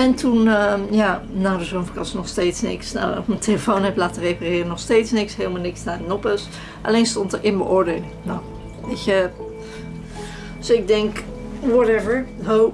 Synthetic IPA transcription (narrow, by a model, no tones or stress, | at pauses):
ɛntʰunjaːnaːdəzonfkɑsnɔχsteːtsnɪ̰ksna̰wɔ̰kməntʰeləfownɦɛplaːtərejparɪːrənɔχstejtsnɪksɦɪːlˠmalnɪksnanɔpəs | ʔa̰lejnstɔntəɹʔɪnbəʔʊːɹdeːlɪŋnow | ekə | sɪɡ̚dɛŋk | wɔɾɛvəɹɦow